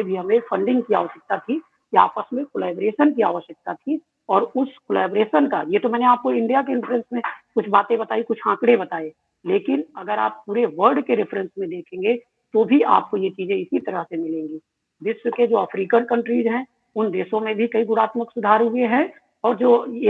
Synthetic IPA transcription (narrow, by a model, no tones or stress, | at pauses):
ebʱiɦɐmẽfʰɐ̃ɳɖɪ̃ŋɡkia̰ːʋəʃjək̚t̪at̪ʰi | kia̰ːpəsmẽkolɛːbɾeːʃənkia̰ːʋəʃjək̚t̪at̪ʰi | ɔːɾʊskolɛːbɾeːʃənkajet̪omɛːneaːp̚koɪ̃ɳɖijak̬eɪ̃ɳʈɾə̃nsmẽkʊt͡ʃʰbaːt̪ẽbɐt̪aːikʊt͡ʃʰãːkɽebɐt̪aːe | leːkɪnɐɡəɾa̰ːpːuːɾeʋəɾɖkeɾɪfʰɾə̃nsmẽd̪eːkʰẽːŋɡe | t̪obʱia̰ːp̚kojet͡ʃiːzẽɪsit̪ɐɾəɦsemɪlẽːŋɡiː | d̪ɪswəked͡ʒoːəpʰɾiːkənkə̃ɳʈɾizɦɛ̃ | ʊnd̪eːsõmẽbʱikɐiɡʊɽaːt̪məksʊd̪ʱaːɾɦʊeɦɛ̃ | ɔːɾd͡ʒoːje